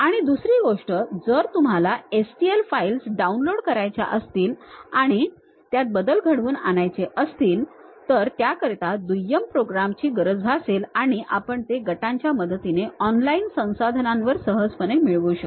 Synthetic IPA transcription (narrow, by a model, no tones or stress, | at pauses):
aɽ̃id̪usɾiːɡoʂʈəd͡zəɾt̪um̤alaesʈielfailsɖaunloɽkəɾajt͡ɕa̰ʔəst̪iːlaɽ̃i | t̪jat̪̚bəd̪əlɡʱəɽʋuːna̰najt͡seʔəst̪iːlt̪əɾt̪jakəɾt̪ad̪ujəmpɾoɡɾamt͡ɕiːɡəɾəd͡zbʱaselaɽ̃iʔa̰pəɳt̪eɡəʈaɲt͡ɕjaməd̪ət̪ineɔnlainsə̃w̃sad̪ʱənãnʋəɾsəɦəd͡zpənemiɭʋuɕək